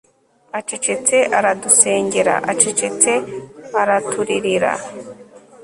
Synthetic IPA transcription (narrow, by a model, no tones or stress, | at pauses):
at͡ʃe̞t͡ʃe̞t͡se̞ʔaɾaduse̞ːɲɟe̞ɾa̰ʔat͡ʃe̞t͡ʃe̞t͡se̞aɾatʰuɾiɾiɾa̰